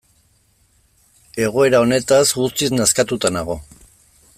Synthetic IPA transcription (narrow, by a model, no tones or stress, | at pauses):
e̞ɣ̞o̞e̞ɾao̞ne̞t̪asɣust̪iznaskat̪ut̪anaɣ̞o̞